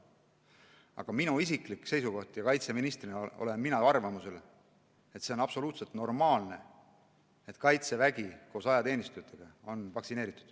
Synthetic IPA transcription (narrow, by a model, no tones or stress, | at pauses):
ɑ̰ɡ̥ɑminuisiklikse̞jsuko̞ht̪jɑkɑjt̪se̞minist̪rino̰le̞nminɑɑrvɑmuse̞l | e̞t̪ːse̞onɑb̥so̞luːt̪selt̪no̞rmɑːlne̞ | et̪kɑjt̪se̞væɡ̥iko̞ːsɑjɑt̪eːnist̪ut̪ʰːˑeɡ̥ɑo̞nvɑksine̞ːɾit̪ːˑu̥d̪̥